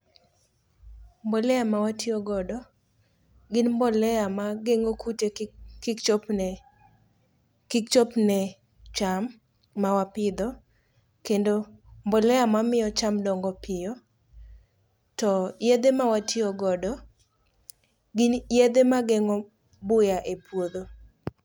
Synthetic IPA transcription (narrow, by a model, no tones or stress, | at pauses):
mbɔlɛamawatʰɪɔɡɔdɔ | ɡɪnmbɔlɛamaɡeŋokutekikt͡ʃopn | kikt͡ʃɔpnɛ | t͡ʃamː | awapɪd̪ɔ | kendombɔlɛamamɪjɔt͡ʃamdɔŋɡɔpʰɪjɔ | tɔjed̪emawatʰiɔɡɔdɔ | ɡɪnjed̪emaɡeŋɔ | bʊjaʔepwod̪o